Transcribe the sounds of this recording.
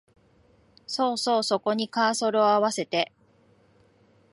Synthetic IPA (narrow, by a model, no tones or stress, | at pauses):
so̞ːso̞ːso̞ko̞ɲ̟ikaːso̞ɾɯ̟oaβase̞t̪e̞